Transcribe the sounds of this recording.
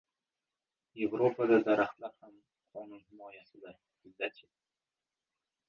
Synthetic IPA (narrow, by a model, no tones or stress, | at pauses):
je̞vɾopʰaɡʲad̪aɾaχt̪laɾham | qʰɒnunhɪmɒjasɪd̪aɾ | hɪzːat̪t͡ʃʰek̚ʲ